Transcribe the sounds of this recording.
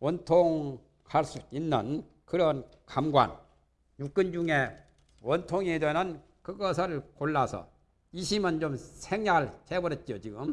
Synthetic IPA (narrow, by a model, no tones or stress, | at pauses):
wʌntʰoŋ | kʰaɭs͈uinːɯn | kɯɾʌn | kamɡwa̰n | juk̚k͈ɯnd͡ʑuŋe | wʌntʰoŋidwenɯn | kɯɡʌsʰɯɭkoɭːasʰʌ̰ | iɕʰimʌnt͡ɕomsʰeŋɲaɭhebʌɾet̚t͡ɕ͈ijot͡ɕiɡɯm